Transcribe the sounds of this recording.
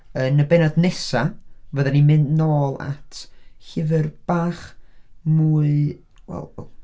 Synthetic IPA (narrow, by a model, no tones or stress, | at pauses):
ənəbɛnadnɛsavəðɛnimɨndnoːlˠa̰tʰhɪvɨrb̥aːχmuːɨ | wɛ̰lˠ